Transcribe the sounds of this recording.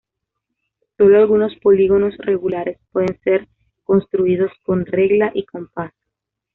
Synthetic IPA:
so̞lo̞alɣuno̞spo̞liɣo̞no̞sre̞ɣulaɾe̞spwe̞ðense̞ɾ | ko̞nst̪ɾuið̞o̞sko̞nre̞ɣlaʔikompas

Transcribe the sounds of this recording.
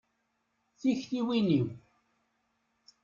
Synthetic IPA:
θiçθiwiniw

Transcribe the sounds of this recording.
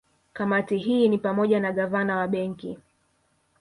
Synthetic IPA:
kamatiɦiːnipamɔʄanaɠavanawaɓɛŋki

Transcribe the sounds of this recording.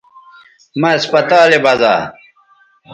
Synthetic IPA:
mɐɐspɐt̪aːlebɐza̰ː

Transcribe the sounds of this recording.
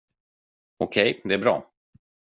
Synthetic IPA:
ɔkʰɛjd̪ɛæɾbɾɑ̰ː

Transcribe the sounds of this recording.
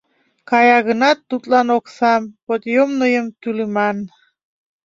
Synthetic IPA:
kɑjɑɣə̆nɑt̪ːut̪lˠɑnoksɑmpot̪jomnɤjəmt̪ylymæn

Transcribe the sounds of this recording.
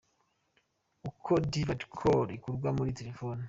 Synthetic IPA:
ukʰodivadkʰoɾikuɾɡwamuɾite̞ɾefoːni

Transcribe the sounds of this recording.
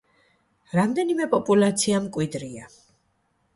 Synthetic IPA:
ɾamd̪ɛnimɛpʼɔpʼulˠat̪sʰiamkʼwid̪ɾia

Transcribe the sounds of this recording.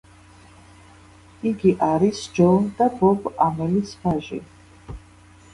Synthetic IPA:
iɡiʔaɾisd͡ʒɔnd̪abɔbamɛlisvaʒḭ

